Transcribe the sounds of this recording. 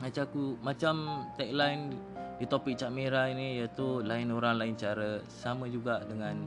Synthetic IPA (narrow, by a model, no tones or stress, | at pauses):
at͡ʃakumat͡ʃamt̪ak̚lain | dit̪opik̚t͡ʃaʔmiɾainijat̪ulaɪnoɾaŋlaɪnt͡ʃaɾəsamə̃d͡ʒuɡaʔdəŋãn